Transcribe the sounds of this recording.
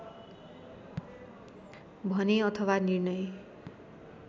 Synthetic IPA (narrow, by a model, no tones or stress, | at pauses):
bʱʌneʌt̪ʰʌwanirnʌj